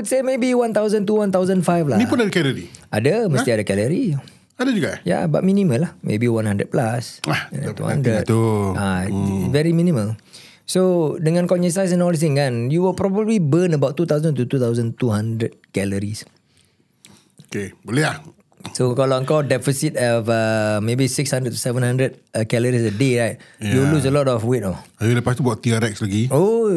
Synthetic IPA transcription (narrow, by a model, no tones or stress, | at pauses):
wutsemebiwãnt̪awzə̃nt̪uwãnt̪awzə̃nfajflamiunadkɛləɾiʔadəməst̪iadəkɛləɾi | adəd͡ʒuɡaja̰ba̰ʔ̚mĩnĩmə̃lahmʔḛbiwãnhãndət̚plasat̪ṵhã̰ndɾət̪uavɛɾimĩnĩməl | sodəŋãnkɔnə̃ns̬ajs̬ɛ̃nɔlis̬ɪ̃ŋkanjuwəlpɾɔbəblibənəbawtt̪ːut̪awzə̃nt̪ut̪ut̪awzə̃nt̪uɦãndɹəd̚kɛləɹis | o | kebəleah | sokalaə̃ŋkawdɛfisit̚hɛvəmebisikshãndɹət̚t̪u̥sɛvə̃nhãndɹəd̚kɛləɹisədeɹajt̚julus̬əlɔtɔfwetɔajuləpast̪ubɔʔt̪iaɾɛk̚slaɡio